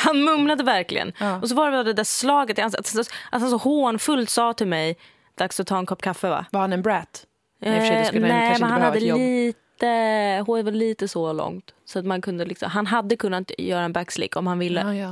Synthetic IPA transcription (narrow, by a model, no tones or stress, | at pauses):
hanmɵmlad̪əvæɾklɪ̰ɡə̰nʔɔs̬ɔvaɾɛad̪ɛd̪æɾslɑːɡət̪hansat̪hansɔʔat̪hansɔhoːnfɵlt̪sɑːt̪ʰɪlmɛj | d̪̥aksɔt̪ʰːɑːɛnkʰɔpːkʰafːəva̰vaɾhanɛnbɾɛt̪ | nɛːmɛnhanhaːəliːt̪əɦʊvaliːt̪əsɔlɔ̰ŋt̪sɔat̪mankʰɵnd̪əlɪksɔ̰mɦanɦad̪ːəkʰɵnːat̪jœːɾaɛnbækslɪ̰kːɔmhanvɪlːə